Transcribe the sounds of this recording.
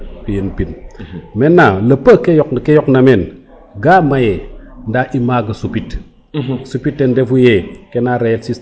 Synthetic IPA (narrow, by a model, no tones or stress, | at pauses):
kujenpinmenːalɐpːəkejɔkkejoknamen | ɡaːmajendaʔimaɡɐsupit | supitːendefujekenaɾejetsis